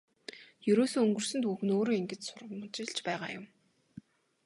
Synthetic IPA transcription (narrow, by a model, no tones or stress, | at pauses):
jɵɾoːsoːɵŋɡɵ̆r̥sɵ̆nt̪uxɘ̆noːɾoːiŋɡɘ̆t͡ɕsʊrʁə̆mt͡ɕɪ̆ɮt͡ɕpæːʁaːjʊm